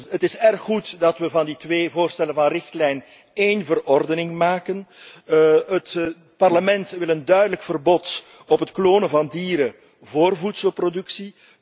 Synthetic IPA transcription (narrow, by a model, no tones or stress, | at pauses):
ətɪsɛrxːutdɑtwʋəvɑnditʋeːvoːrstɛlənvɑnrɪxtlɛjn | eːnvərɔrdənɪŋmaːkən | ət | pɑrləmɛntʋɪlˠəndœɥdələkfərbɔt | ɔpɦətkloːnənvɑndiːɾə | voːrvutsəlprodɵksi